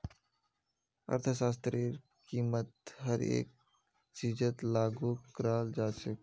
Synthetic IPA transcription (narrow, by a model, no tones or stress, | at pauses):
ə̰ɾt̪ʰəsaːst̪ɾiɾ | kiːmət̪ɦəɾḛːk̚ | t͡ʃiːd͡ʒət̪laːɡuːkɾaːld͡ʒaːsə